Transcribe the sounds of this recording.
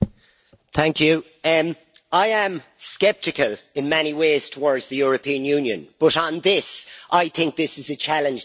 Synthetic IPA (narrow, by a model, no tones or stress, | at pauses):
θæ̃ŋkjʉ | aɪə̃mskɛp̚tɪkəlɪ̃nmɛñiweːz̥tʰəwɔɹdzðəjɔːɹəpʰĩə̃njʉ̃ːnjə̰̃nb̥ʌɾn̩ðɪsʔaɪθɪ̃ŋk̚ðɪsɪzət͡ʃʰalɪ̃nd͡ʒ